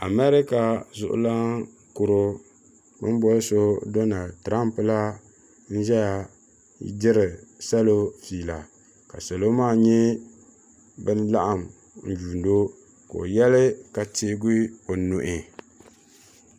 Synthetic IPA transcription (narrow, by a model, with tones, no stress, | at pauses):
a˨mɛ˦ɾɪ˦ka˨zʊ˨ʔʊ̰˦la˦ | kʊ˨ɾo˦ | bɨ̰˦m˦bɔ˦lso˦do˦na˨ltɾa˦mpɨ˨la˦ | n̩˦ʒɛ˦ja˨ | dɪ˦ɾɪ˨sa˦lo˦fiː˨la˨ | ka̰˨so˨lo˦maː˦˨ɲɛ˦ | bɨ˦nla˦ʔa˨m | n̩˨d͡ʒuː˨ndo˦ | ko̰˨jɛ˦lɪ˦ka˨te˦ɡʊ˦o˨nʊ˨ʔɪ˨